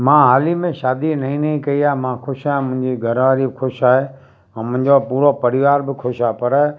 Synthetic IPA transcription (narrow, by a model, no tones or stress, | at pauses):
mãːɦaːlimẽʃaːd̪inɐɦĩːnɐɦĩkɐiaːmãːxʰʊʃaːẽmʊ̃ɦɪ̃ɲd͡ʑiɡʱɐɾʋaːɾibɪxʰʊʃaːɦe | ɛ̃ːmʊ̃ɦɪ̃ɲd͡ʑopuːɾopɐɾɪʋaːɾbɪkʰʊʃaːpɐɾ